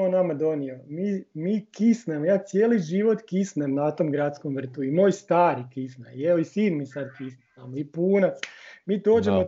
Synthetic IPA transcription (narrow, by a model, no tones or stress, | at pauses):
onamad̪o̞niomiːmiːkisnemojaːt̪sjeːliʒiʋot̪kisnemnat̪omɡɾat̪skomʋr̩t̪uimo̞ːjst̪aːɾikisnajeoisiːnmisad̪kisnenamoipuːnat̪smiːd̪o̞ːd͡ʒemo